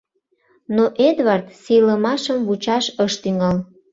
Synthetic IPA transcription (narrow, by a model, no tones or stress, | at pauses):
noʔed̪vɑrt̪sijləmɑʃəmβut͡ɕɑʃəʃt̪yŋɑl